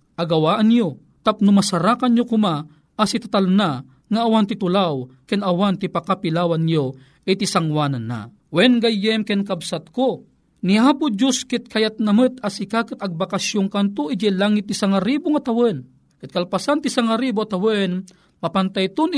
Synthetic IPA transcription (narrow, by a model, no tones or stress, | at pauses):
ʔaɡɐwaːʔanjo | t̪ap̚nʊmasaɾakanjokʊma | ʔasit̪at̪alna | ŋaʔːwant̪it̪ʊlawkɛnɐwant̪ipakapilaːwanjo | ʔit̪isaŋwaːnanːa̰ | wɛnɡajːɛmkɛnkabsat̪̚ko | niaːpʊd͡ʒuskɪt̪̚kʰajat̪̚namət̪asikakɨt̪ɐɡ̚bakasjoŋkant̪oʔid͡ʒɛlaŋɪt̪̚ːisaŋaɾibʊŋat̪awən | kɪt̪̚kalpasant̪isaŋaɾibuat̪awən | papant̪ajt̪ʊn